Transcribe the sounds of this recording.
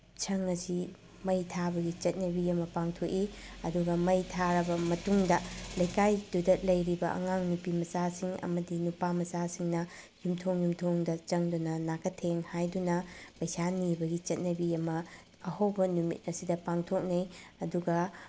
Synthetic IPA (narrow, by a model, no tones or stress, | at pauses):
t͡ʃʰɐŋɐsi | mɐjtʰabɐɡit͡ʃɐt̚nɐbiɐmɐpaŋtʰok̚iɐduɡɐmɐjtʰaɾɐbɐmɐtuŋdɐlɐjkajdudɐtlɐjɾibɐʔɐ̰ŋaŋnupimɐsasiŋɐ̰mɐdinupamɐsasiŋnɐ | jumtʰoŋjumtʰoŋdɐt͡ʃɐŋdunɐnakʰɐtʰeŋhajdunɐpɐjsanibɐɡit͡ʃɐt̚nɐbiɐmɐ | ɐhowbɐnumḭt̚ɐsidɐpaŋtʰok̚nijɐduɡɐ